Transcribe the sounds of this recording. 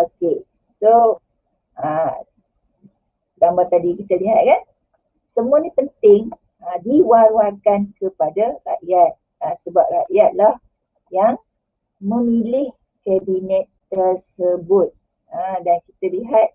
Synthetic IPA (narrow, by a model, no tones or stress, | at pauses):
oke | so | ə | daŋbat̪adikit̪əliɦat̪̚kan | səmuanĩpənt̪ɪŋ | ədiwaɾwakankəpadara̰ʔjat̪̚ | əsəbap̚raʔjat̪̚lah | jaŋ | mə̃milɪh | kɛbinɛt̪̚ːərsəbʊt̪̚ | ədankit̪əliɦat̪̚